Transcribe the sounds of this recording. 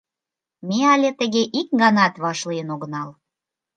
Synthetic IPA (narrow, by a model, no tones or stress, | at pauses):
meɑlʲet̪ə̆ɣeʔik̚ɡɑnɑt̪βɑʃlijənoɣənɑl